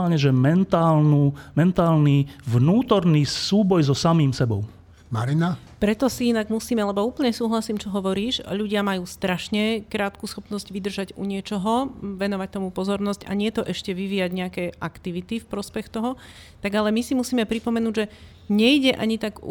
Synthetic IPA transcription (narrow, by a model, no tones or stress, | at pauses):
aːlɲɛʒɛmɛnt̪aːlnuːmɛnt̪aːlnivnuːt̪ɔɾnisuːbɔjzɔsamiːmsɛbɔ̰ʊ | maɾina | pɾɛt̪ɔsiinaɡmusiːmɛlɛbɔuːpl̩ɲɛsuːɦlasiːmt͡ʃɔɦɔʋɔɾiːʃʎuɟɪamajuːst̪ɾaʃɲɛkɾaːt̪̚kusxɔpnɔzɟʋid̪r̩ʒaɟṵɲɪɛt͡ʃɔɦɔʋɛnɔʋac̚t̪ɔmupɔzɔɾnɔsca̰ɲɪɛt̪ɔʔɛʃcɛʋiʋiːjaɟɲɛakɛːʔakt̪iʋit̪ifpɾɔspɛxt̪ɔɦɔ | t̪aɡalɛmisimusiːmɛpɾipɔmɛnuːɟʒɛ | ɲɛiɟɛʔa̰ɲit̪aɡ̰